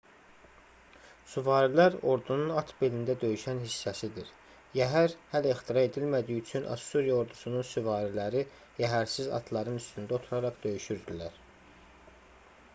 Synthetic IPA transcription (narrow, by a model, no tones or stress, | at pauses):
suvɑːɾilæɾo̞ɾd̪ununɑt̪ʰbelind̪æd̪ø̞jyʃænhisːæsid̪iɾ | jæɦæɾhælæixt̪ʰiɾɑe̞d̪ilmæd̪ijyt͡ʃʰynʔɑ̰suɾijɑo̞ɾd̪usununsuvɑːɾilæɾi | jæɦæɾsizɑ̰t̪ʰlˠɑɾɯnyst̪ynd̪æot̪ʰuɾɑɾɑχd̪ø̞jyʃyɾd̪ilæɾ